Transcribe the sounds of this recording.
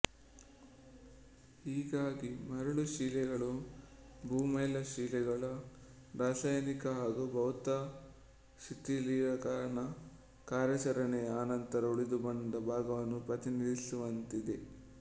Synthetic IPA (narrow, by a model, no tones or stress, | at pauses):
ɦiːɡaːɡimɐɾuɭuʃiːlɛɡɐɭu | bʱuːmɐjlɐʃiːlɛɡɐɭɐ | ɾaːsaːjɐnikɐɦaːɡubʱɐʋt̪ɐ | ʃit̪ːiliɾɐkaːɾɐɳɐ | kaːɾjɐt͡ʃɐɾɐɳeaːnɐnt̪ɐɾɐuɭid̪ubɐnd̪ɐbʱaːɡɐʋɐnːupɾɐt̪inid̪isuʋɐnt̪id̪e̞